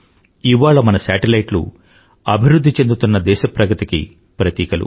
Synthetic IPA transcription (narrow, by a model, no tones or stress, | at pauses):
iʋːaːɭɐmɐnɐsaːʈelɐjʈlṵ | ɐbʱiɾud̪ʱːit͡ʃe̞nd̪ut̪unːɐd̪ɛːʃɐpɾɐɡɐt̪ikḭ | pɾɐt̪iːkɐlṵ